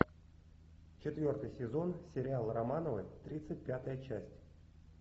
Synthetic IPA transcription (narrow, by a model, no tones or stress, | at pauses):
t͡ɕɪt̪vʲo̞rt̪ɨjsʲɪzo̞nsʲɪɾʲɪalˠramanəvɨ̰t̪ɾʲit̪sɨt̚ʲpʲat̪əjət͡ɕæsʲtʲ